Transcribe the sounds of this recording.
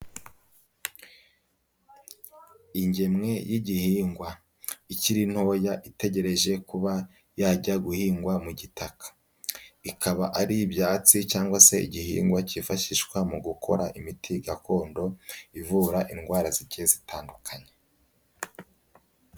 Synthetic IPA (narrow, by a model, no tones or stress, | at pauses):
iɲɟe̞mŋe̞jiɟihiːŋɡwa | iciɾin̥ho̞ːjaʔite̞ɟe̞ɾe̞ʒe̞kuβa | jaːɟaɡuhiːŋɡwamuɟitakʰḁ | ikʰaβaʔaɾibjaːt͡sicaːŋɡwase̞ḭɟihḭːŋɡwacifaʃiʃkwamuɡukʰo̞̰ɾaʔimitʰiɡako̞ːndo̞ivuːɾaʔinɡwaːɾaziɟezitʰaːndukʰaɲe